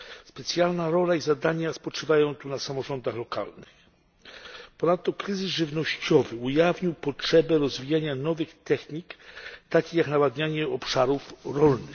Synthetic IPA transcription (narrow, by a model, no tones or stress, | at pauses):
spɛt̪sʲjalnaɾɔlaizad̪aɲaspɔt͡ʂɘvajɔ̃w̃t̪unasamɔʐɔnd̪axlɔka̰lnɘx | pɔnat̪ːɔkɾɘzɘsʐɘvnɔɕt͡ɕɔvɘujavɲiwpɔtʂɛbɛɾɔzvʲijaɲanɔvɘxt̪ɛxɲikt̪akʲixjaknawad̪ɲaɲɛɔpʂaɾufɾɔlnɘ